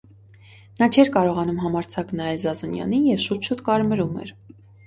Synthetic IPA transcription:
nɑt͡ʃʰɛɾkɑɾɔʁɑnumɦɑmɑɾt͡sʰɑknɑɛlzɑzunjɑ̰nijɛvʃut̪ʰʃut̪kɑɾməɾumɛ̰ɾ

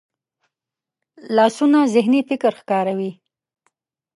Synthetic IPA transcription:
lɑsunazɪɦnifɪkɾxkɑɾawi

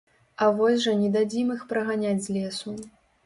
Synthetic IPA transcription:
ɐvɔsʲʐɐnʲɛd̪ad͡zʲimɨxpɾɐɣanʲad͡zʲzʲlʲɛsu

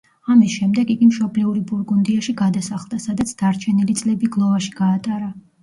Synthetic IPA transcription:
amisʃɛmd̪ɛɡiɡimʃɔblɛuɾibuɾɡund̪iaʃiɡad̪asaχlˠd̪asad̪at̪sʰd̪̥aɾt͡ʃʰɛnilit̪sʼlɛbiɡlˠɔvaʃi̥ɡ̥aːt̪ʼaɾa

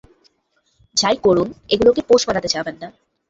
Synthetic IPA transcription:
d͡ʑajkoɾuneɡulokepoʃbalat̪et͡ɕʰabʱenːa

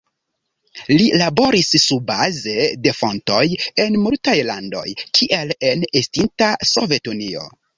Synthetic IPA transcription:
lilabo̞ɾisːubaze̞de̞fo̞nto̞je̞nmultajlando̞̰jkʰiʔe̞le̞nestintaso̞ve̞tunio̞̰

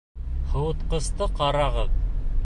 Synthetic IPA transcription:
hɤ̆wɤ̆t̪qɤ̆st̪ɤqɑɾɑʁɤð

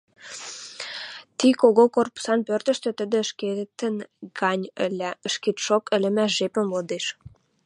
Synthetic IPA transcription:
t̪ikoɣokorpu̥sɑnpørt̪ə̆ʃt̪ø̆t̪əd̪ĕəʃket̪ənɡɑnʲəlæəʃket̪ʃokə̆lə̆mæʃʒ̥epə̆mlod̪eʃ

